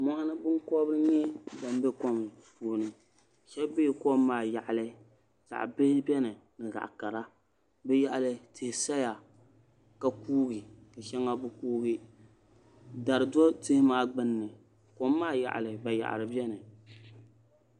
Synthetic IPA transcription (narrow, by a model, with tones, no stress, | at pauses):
mɔ˦ha˦nɨ˦bɨ˦ŋkɔ˦bɨ˦ɾɨ˦ɲɛ˦ba˨m˦bɛ˦kɔ˦m˨ | puː˨nɨ˨ | ʃɛ˦be˦˨ko˦mː˦aː˦˨ja˨ʔlɨ˦ | ta̰˨ʔbɨ˦hɪ˦bʲɛ˦nɨ˨nɨ˨ɡa̰˨ʔka˨ɾa˦ | bɛ˦ja˨ʔa˨lɨ˨tɨ˨hsa˦ja˨ | ka˦kuː˦ɡi˨ka˨ʃɛ˦ŋa˦bɨ˦kuː˦ɡi˦ | da˨ɾɨ˨dɔ˦tɨ˦hɪ˦maː˦ɡ͡bɨ˦nːɨ˨ | ko˦mː˦aː˦ja̰˨ʔlɨ˨ba˨ja̰˨ʔa̰˨ɾɨ˨bɛ˦nɨ˨